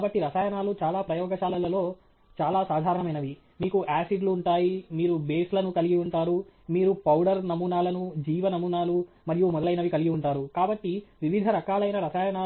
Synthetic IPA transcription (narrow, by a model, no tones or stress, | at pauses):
bɐʈːiɾɐsaːjɐnaːlut͡ʃaːlaːpɾɐjɔːɡɐʃaːlɐlɐlo̞ː | t͡ʃaːlaːsaːd̪ʱaːɾɐɳɐmɐjnɐʋi | miːkuʔaːsiɖluːɳʈaːjimiːɾube̞ːslɐnukɐliɡiuɳʈaːɾumiːɾupɐwɽɐɾnɐmunaːlɐnud͡ʒiːʋɐnɐmunaːlu | mɐɾijumɔd̪ɐlɐjnɐʋikɐliɡiuɳʈaːɾukaːbɐʈːiʋiʋid̪ʱɐɾɐkaːlɐjnɐɾɐsaːjɐnaː